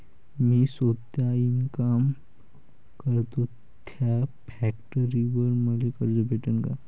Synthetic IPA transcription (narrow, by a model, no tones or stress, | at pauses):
miːsot̪jainkam | kəɾt̪o | t̪ʰafʰɛk̚ʈəɾiʋəɾməlekəɾd͡zobeʈənka